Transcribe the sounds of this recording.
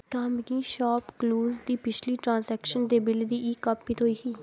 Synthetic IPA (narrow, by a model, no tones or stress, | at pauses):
kaːmɡiːʃaːpkluːzd̪iːpɪt͡ʃʰliːʈɾãːnzɛːkʃənd̪eːbɪld̪iːʔiːkəpːit̪ɦoːiːɦiː